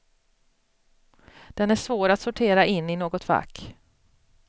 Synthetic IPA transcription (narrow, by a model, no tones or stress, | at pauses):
d̪̥ɛnæʂvoːɾat̪sʊʈʰeːɾaʔɪnːɪnoːɡɔt̪va̰kː